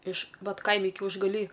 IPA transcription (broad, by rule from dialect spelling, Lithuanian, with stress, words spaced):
ɪʃ ˈʋɐt ˈkɐɪmʲɪ kʲɛʊʒɡɐˈlʲiː